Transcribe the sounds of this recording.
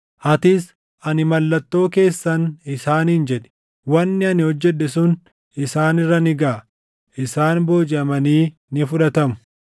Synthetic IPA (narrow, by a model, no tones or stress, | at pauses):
ʔɐt̪ɪs | ʔɐnɪmɐlːɐt̪ːo̞ːke̞ːsːɐnɪsaːnhɪnd͡ʒɛᶑɛ̥ | wɐnːɪɐnɪhɔd͡ʒːɛᶑɛsʊn | ɪsaːnɪrːɐnɪɡaː | ʔɪsaːnbo̞ːd͡ʒɪɐmɐniː | nɪfʊᶑɐt̪ɐmʊ̥